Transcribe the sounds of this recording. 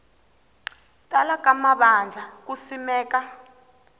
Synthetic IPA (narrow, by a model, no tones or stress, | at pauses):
tʼalak̬ʼamaɓand͡ɮʱak̬usimɛːka